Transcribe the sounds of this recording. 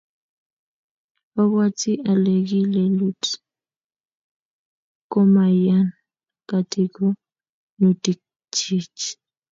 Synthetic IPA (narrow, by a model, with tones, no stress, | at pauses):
a˦βwa˦t͡si˦ʔa˨le˨ɡi˦le˨lu˦t | ko˦ma˨ja˦n | ka˨ti˦ko˦ | nu˨ti˨k̚ | t͡ʃi˦t͡ʃ